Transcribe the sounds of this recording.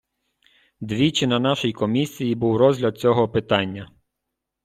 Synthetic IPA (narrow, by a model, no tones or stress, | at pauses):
d̪ʋʲit͡ʃɪnɐnɑʃɔjkɔmʲisʲijibuwɾɔzʲɦlʲɐd̪̚t͡sʲɔɦɔpɪt̪ɑnʲːɐ